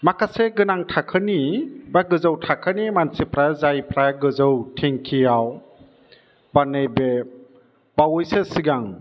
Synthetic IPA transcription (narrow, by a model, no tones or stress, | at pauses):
makʰaseɡɯnaŋtʰakʰɯnibaɡɯzawtʰakʰɯnimansipʰɾazajpʰɾaɡɯzɯwtʰiŋkʰijaw | banɯjbe | bawɯjsesiɡaŋ